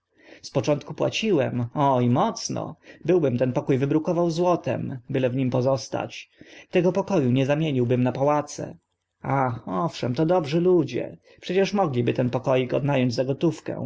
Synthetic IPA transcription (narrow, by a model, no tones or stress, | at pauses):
spɔt͡ʂɔ̃nt̪kupwa̰t͡ɕiwɛmɔimɔt̪snɔ̰bɘwbɘmt̪ɛnpɔkujvɘbɾukɔvawzwɔt̪ɛ̰mbɘlɛvɲimpɔzɔst̪a̰t͡ɕt̪ɛɡɔpɔkɔjuɲɛzamʲjeɲiwbɘmnapawat̪sɛ̰ | axɔfʂɛmt̪ɔd̪ɔbʐɘlud͡ʑɛ̰ | pʂɛt͡ɕɛʂmɔɡlʲibɘt̪ɛnpɔkɔjikɔ̰d̪najɔɲd͡ʑzaɡɔt̪ufkɛ̰̃